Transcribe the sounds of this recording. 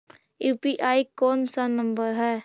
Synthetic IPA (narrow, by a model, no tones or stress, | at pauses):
juːpiʔaːikɔːnsanə̃mbəɾɦɛː